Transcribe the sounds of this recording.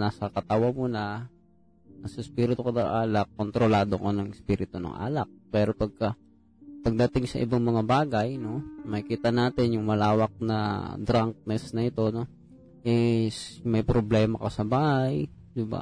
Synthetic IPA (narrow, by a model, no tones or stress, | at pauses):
naːsɐkɐt̪ɐwamuːnɐ | nasɐɪspiːɾɪt̪okonɐŋʔaːlɐkːont̪ɾolaːd̪okonɐŋɪspiːɾɪt̪onɐ̰ŋʔa̰ːlɐk̚pɛːɾo̞pɐɡ̚kɐ | pɐɡ̚d̪ɐt̪ɪŋsɐ̰ʔɪ̰baŋmɐŋabaːɡɐjno̞mɐɪkiːt̪ɐnaːt̪ɪnjʊŋmɐlaːwɐk̚nɐ̰d̪ɾaŋk̚nɛsnɐʔɪt̪o̞no̞ | ʔɪsmɐjpɾoblɛːmɐkɐsɐbaːhaj | d̪ɪba̰